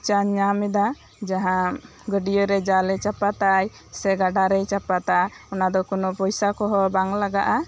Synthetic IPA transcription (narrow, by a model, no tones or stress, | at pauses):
t͡ʃaɲɲamɛd̪a | d͡ʒaɦã | ɡəɖijɔɾɛd͡ʒalɛt͡ʃapat̪aj | sɛɡaɖaɾɛjt͡ʃapat̪a | ɔnad̪ɔkɔnɔpɔjsakɔɦɔbaŋlaɡaʔa